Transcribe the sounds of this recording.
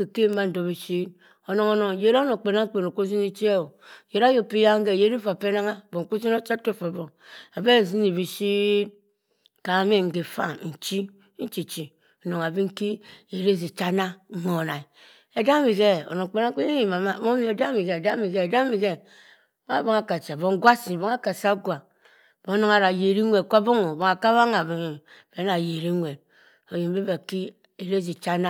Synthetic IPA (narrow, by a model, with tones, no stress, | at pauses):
e˨ke˦m̩˦ma˦n̩˨do˨bi˨ʃi˦ | o˨no˨ŋo˦no˨ŋ˨je˨˦ɾno˨k͡pe˨na˦k͡pe˨no˨ko˦zi˦ni˦t͡ʃi˦e˦o˨je˨ɾa˦jo˨pi˦ja˦ŋ̩˦ɡe˨je˦ɾi˦fa˨pe˦na˦ŋa˦˨bo˨ŋ˨ko˦zi˦no˦t͡ʃa˦to˦˨fa˨bo˨ŋa˨be˦˨zi˦ni˨bi˨ʃi˦ | ka˨˦me˦ŋ̩˨ɡe˨fa̰˦n̩˨t͡ʃi˦ | n̩˦t͡ʃi˨t͡ʃi˨ | o˨no˨ŋa˨be˦ŋ̩˦ki˦˨je˨ɾe˦s̬i˨t͡ʃa˦na˦˨mo˨na˨i˨ | e˨da˦mi˨ɡe˦o̰˨no˨ŋ˨k͡pe˦na˦k͡pe˦i˨ma˨ma˦˨mo˦mi˨e˨da˦mi˨ɡe˦˨da˦mi˨ɡe˦e˨da˦mi˨ɡe˦ | ma˦˨bo˦ŋa˨ka˨t͡ʃa˨bo˦ŋ˦ɡwa˦si˨bo˦ŋa˦ka˨sa˦ɡʷa˨ | bo˨˦no˦ŋa˦ɾa˨je˨ɾi˦ŋʷe˨kʷa˦bo˦ŋo˨bo˨ŋa˨ka˦βa˦ŋa˨bi˨ŋ˨ | be˨˦a˨je˨ɾi˦ŋʷe˨ | o˨ji˨m˦be˦ba˨ki˦ | e˨ɾe˦zi˨t͡ʃa˦na˦